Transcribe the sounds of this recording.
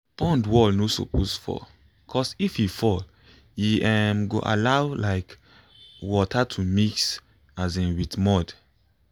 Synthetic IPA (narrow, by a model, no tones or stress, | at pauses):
pɔ̃ndwɔlnosɔ̰pʰosfɔ̰ | kʰɔsififɔl | jiɛmɡo̰ʔa̰lawlaɪk | wɔtʰatʰumiks | azɛ̃witmɔd